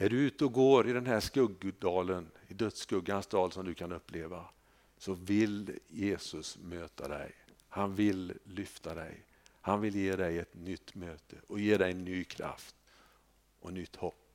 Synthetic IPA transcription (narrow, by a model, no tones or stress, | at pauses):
næɖɵʉ̟ːt̪əɔɡoːɾɪd̪ɛnɦæʂkɵɡːd̪ɑːlənɪd̪œt̪skɵɡːansd̪ɑːlsɔmd̪ɵkʰanɵpːleːva | sɔvɪljeːsɵsmøːt̪ʰa̰d̪ɛ̰j | hanvɪlːʏft̪ʰad̪ɛ̰j | hanvɪljeːd̪ɛjɛt̪nʏt̪ːmøːt̪ʰəʔɔjeːd̪ɛjnyːkʰɾa̰ft̪ | ʔɔnʏt̪ːhɔpː